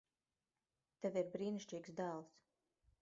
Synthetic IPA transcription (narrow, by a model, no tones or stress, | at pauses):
t̪ɛviɾbɾiːniʃt͡ʃiːɡsd̪aːlˠs